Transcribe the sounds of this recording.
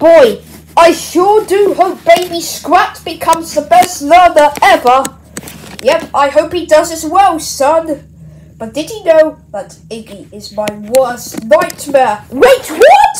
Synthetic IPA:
b̥ɔɪ | aɪʃʊɹdɨɦoʊp̚b̥eɪbiskɹæt̚b̥ɨkʰʌ̃mzðəbɛstlɜ˞nəɛvə˞ | jɛpaɪɦoʊphidʌzɨzwɛlˠsʌ̃n | b̥ʌt̚d̥ɨdinoʊðəɾ | ɪbiɪzmaɪwɜ˞stnaɪtmɛɹɹeɪt̚wət

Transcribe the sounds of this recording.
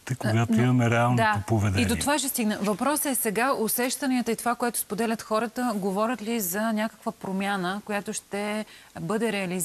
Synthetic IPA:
t̪əkoɡat̪oimɐmɛɾɛalˠnd̪aopovɛd̪ɛid̪ot̪ovaʃɛst̪iɡnəvɐpɾɔsɛsɛɡaosɛʃt̪ɐniət̪əit̪ovakoɛt̪o̥spod̪ɛlʲət̪xɔɾət̪əɡovɔɾʲət̪lizɐnʲakə̥kvəpɾomʲjanəkojat̪oʃt̪ɛbɤd̪ɛɾɛɐliz

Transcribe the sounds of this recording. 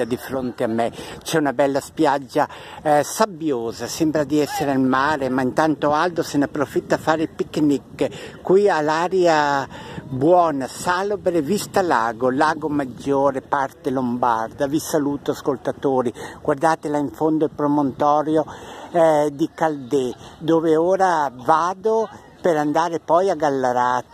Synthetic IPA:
ad̪ifɾont̪eamːɛt͡ʃɛunabɛlːaspjad͡ʒːa | sabːjoːzasɛmbɾad̪iɛsːeɾealmaːɾemaint̪ant̪oald̪osenapːɾofit̪ːafaːɾepikːnikːkwialaːɾja | bwɔːnasalobɾevist̪alaːɡolaːɡomad͡ʒːoːɾepaɾt̪elomba̰ɾd̪avisaluːt̪oaskolt̪at̪oːɾiɡ̥ward̪aːt̪elaiɱfond̪oilpɾomont̪ɔːɾjo | d̪ikald̪ed̪oːveoːɾavaːd̪o | peɾand̪aːɾepɔjaɡalːaɾaːt̪

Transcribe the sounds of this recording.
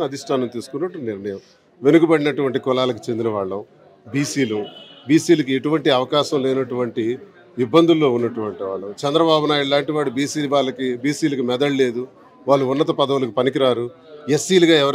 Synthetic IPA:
ɐd̪ʱisʈʰaːnɐmt̪iːsu̥kunːɐʈːuniɾɳɐjɐm | ʋe̞nuɡubɐɽinɐʈuʋɐɳʈikɔlaːlɐk̬i̥t͡ʃend̪inɐʋaːɭːɐ | biːsiːlubiːsiːlɐkieʈuʋɐɳʈiɐʋɐkaːʃɐmlɛːnɐʈuʋɐɳʈi | ibːɐnd̪ʱulːo̞ːunːɐʈuʋɐɳʈiʋaːɭːɐt͡ʃɛnd̪ɾɐbaːbunaːjiɽlaːɳʈiʋaːɽubiːsiːlaːɭːɐkibiːsiːlɐkimɛd̪ɐɭle̞ːd̪u | ʋaːɭːuunːɐt̪ɐpɐd̪ɐʋulɐkipɐnik̬iɾaːɾuesːiːliɡaːɛʋɐɾ

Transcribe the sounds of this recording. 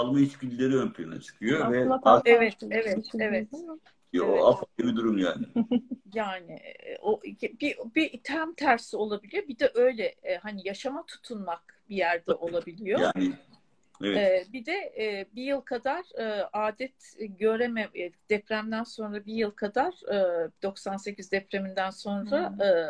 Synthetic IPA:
alˠmait͡ʃbilʲːeɾiønpʰlʲina̰t͡ʃʰɯ̥kʰɯjovɛaevɛt̪evɛevɛt̪ | afaibid̪uɾumjaːnɪjaːnɪ̰oʔbibit̪ʰæmt̪ʰæɾsio̞lˠabilʲijobid̪ɛʔø̞jlʲɛɦanijaʃamat̪ʰu̥t̪ʰunmakbijæɾd̪ɛʔo̞lˠabilʲijojaːni | eɛɛːbid̪ɛːbijɯlˠkʰad̪aɾɯʔaːd̪ɛt̪ʰɟø̞ɾemɛd̪̥ɛpɾæmd̪ænso̞nɾabijɯlˠkʰad̪aɾ̥ɯːd̪̥o̞ksanse̞cʰizd̪ɛpɾe̞mind̪ænso̞nɾaɯː

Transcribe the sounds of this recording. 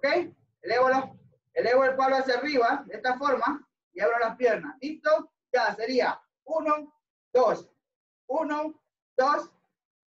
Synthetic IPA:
okej | eleβolo | eleβoelpaβloasjariβad̪est̪afoɾma | iaβɾolapjeɾnasist̪o | d͡ʒaseɾia | uno | d̪̥os | uno | d̪̥os

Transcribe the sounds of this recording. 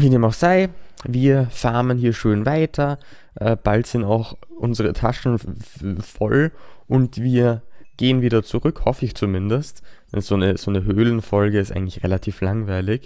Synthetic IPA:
viːneːmənaʊxz̥aɪviːɐfaɐmənhiːɐʃøːnvaɪtʰɐ | ʔɛb̥altz̥ɪntaʊxʔʊnzəʁətʰaʃn̩ | fɔ̰lʔʊntv̥iːɐɡ̥eːənviːdɐt͡suʁʏkhɔfəɪçt͡sumɪndəstd̥ɛ̰nz̥oːnəz̥oːnəɦøːlən̩fɔlɡəɪstʔaɪŋ̩tlɪçʁelatʰiːflaŋvaɪlɪç

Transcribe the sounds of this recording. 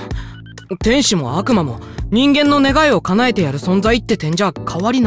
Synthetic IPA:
t̪ẽ̞ɰ̃ɕimo̞̰akɯ̟mamo̞ɲ̟ĩŋɡẽ̞nːo̞ne̞ɡaio̞kanae̞t̪e̞jaɾɯ̟sõ̞nd͡zait̪ːe̞t̪ẽ̞ɲ̟d͡ʑakʰaβaɾʲin

